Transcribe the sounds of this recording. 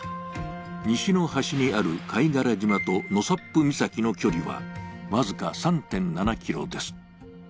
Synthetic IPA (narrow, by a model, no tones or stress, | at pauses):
ɲ̟iɕino̞haɕiɲ̟iaɾɯ̟kʰaiɡaɾaʑimat̪o̞no̞sapːɯmʲisakʲino̞kʲo̞ɾʲiβa̰mazɨkasãnt̪ẽ̞nnanakʲiɾo̞̰d̪e̞sɨ̥